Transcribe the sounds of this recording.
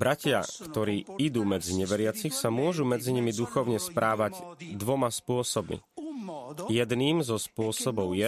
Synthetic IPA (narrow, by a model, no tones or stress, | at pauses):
bɾacɪa̰kt̪ɔɾiːid̪uːmɛd͡ziɲɛʋɛɾɪat͡sixsamʊɔʒumɛd͡ziɲimid̪uxɔʊɲɛspɾʔaːʋaɟd̪ʋɔmaspʊɔsɔbmḭ | jɛd̪niːmzɔspʊɔsɔbɔʊjɛ